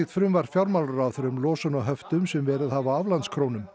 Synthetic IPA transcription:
it̪fɾʏmvaɾ̥fjawɾmawlaɾaːθœɾʏmlɔːsanɔɦœft̪ʏmsɛmvɛːɾɪðhavaavlant̪skʰɾownʏm

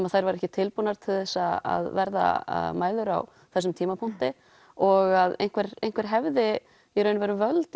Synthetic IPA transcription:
maðθajɾvaɾɛhcɪt̪ʰɪlpunaɾt̪ʰɪlθɛsːaa̰ðvɛɾða̰maːjlʏɾa̰w | θɛsːʏmt̪ʰiːmapʰun̥t̪ɪ | ɔɣaðḛjn̥kʰvɛɾejn̥kʰvɛɾ̥ɦɛvðɪ | iɾœːɥnvɛɾʏvœlt̪

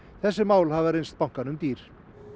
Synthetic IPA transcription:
θɛsːɪmaːwlhavaɾejnst̪̚pawŋ̥kanʏmt̪iːɾ̥

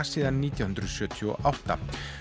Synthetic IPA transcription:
siːðanːiːt̪jawhʏnd̪ɾʏsjœːt̪ʰiɔ̰ʔawht̪a̰

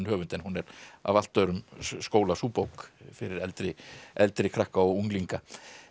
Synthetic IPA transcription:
nhœːvʏnt̪ɛnhunɛɾa̰val̥t̪œɥɾʏmskoːwlasuːpowkfɪɾɪɾɛlt̪ɾɪɛlt̪ɾɪkʰɾahkaɔuŋkliŋka

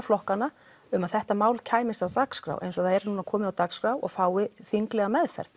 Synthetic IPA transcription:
flɔhkanːa | ʏmaðθɛht̪amaːwlcʰaːjmɪst̪awt̪akskɾa̰wʔḛjns̬ɔθaðɛɾnunakʰɔːmɪðawt̪akskɾawɔ̰ɣfaːwɪθiŋklɛɣamɛðfɛ̰ɾ̥ð

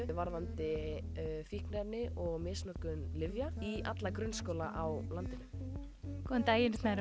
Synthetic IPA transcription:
ʏvaɾðant̪ɪ | fihknɛɾnɪʔɔɣmɪːsnɔhkʏnlɪvjaia̰t̪lakɾʏnskowlaʔawlant̪ɪnʏm | kʰɔnt̪aːjɪnsnaɾ

